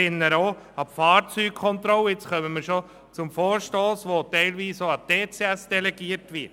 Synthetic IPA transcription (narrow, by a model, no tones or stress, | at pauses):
ɪnːəɾoː | ɑpfɑːɾt͡syːk̚kʰɔnt̪ɾɔlːəɪt͡sχœməməɾʃo | t͡sʊmfɔːɾʃtoːsʋotɛɪlʋiːsoɑteːt͡sɛæsd̥ɛlɛɡiːəɾtʋɪɾ